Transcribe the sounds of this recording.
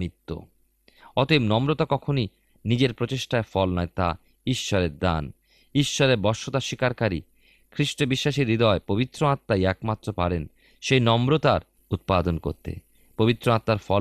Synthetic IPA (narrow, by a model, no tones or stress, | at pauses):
it̪ːo̰ | ɔt̪ebnɔmɾot̪akɔkʰoni | nid͡ʑeɾpɾot͡ɕeʃʈaeɾfɔlnaet̪a̰ | iʃːɔɾeɾd̪a̰n | iʃːɔɾeɾbɔʃːot̪aʃikaɾkaɾḭ | kʰɾiʃʈobiʃːaʃiɾːid̪ɔepobit̪ːɾoat̪ːaɛkmat̪ːɾopaɾen | ʃejnɔmɾot̪aɾ | ut̪̚pad̪onko̰ɾt̪ḛ | pobit̪ːɾoat̪ːaɾfɔ